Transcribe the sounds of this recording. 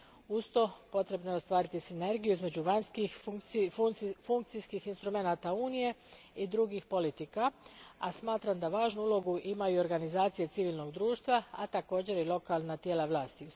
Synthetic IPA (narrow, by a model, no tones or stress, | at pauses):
ust̪o̞po̞t̪ɾe̞bno̞jeo̞st̪ʋaːɾit̪isine̞ɾɡijuizme̞d͡ʑuʋanskixk | fuŋk̚t̪sijskixinst̪ɾume̞naːt̪auːnije̞ | id̪ɾuɡixpo̞lit̪ikaasmaːt̪ɾamd̪aʋaːʒnuulo̞ɡuʔimajuo̞ɾɡanizaːt̪sije̞t̪siʋiːlʲˠno̞ɡd̪ɾuːʃt̪ʋaa̰t̪ako̞ːd͡ʑe̞ɾilˠo̞kalˠnat̪je̞ːlaʋlˠaːst̪iu